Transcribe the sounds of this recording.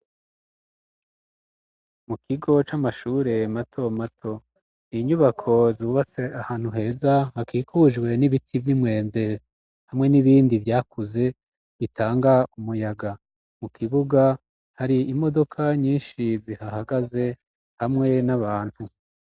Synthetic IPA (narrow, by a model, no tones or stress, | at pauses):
mukʰiɡo̞t͡ʃamaʃuːɾe̞matʰo̞matʰo̞ | iɲuβakʰo̞zuːβat͡se̞ahaːn̥huɦe̞ːzahakiːkʰuʒɡwe̞niβitʰivjimwe̞ːmde̞ | hamŋe̞niβiːndivjaːkuze̞ | βitʰaːŋɡaumujaɡa | mukʰiβuɡa | haɾiimo̞do̞kʰaɲiːnʃizihahaɡaze̞ | hamŋe̞naβaːn̥hu